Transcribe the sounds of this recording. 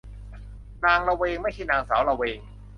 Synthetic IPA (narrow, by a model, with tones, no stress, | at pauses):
naː˧ŋɾa˧weː˧ŋma˥˩jt͡ɕʰa˥˩naː˧ŋsa̰ː˩˦wɾa˧weː˧ŋ